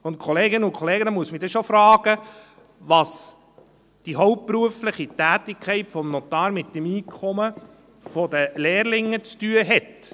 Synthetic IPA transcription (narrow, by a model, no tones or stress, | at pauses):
ʊntkʰɔleːɡɪnəʊnkʰɔleːɡənəmuəsmidɛʃofɾɑːɡ̥ə | ʋɑs | d̥iɦɔwppɾuəflɪχitæːtɪkʰːɛɪtfɔmnɔt̪ɑːɾmɪt̚demiːkʰɔmə | fɔd̪əleːɾlɪŋːət͡styəɦɛt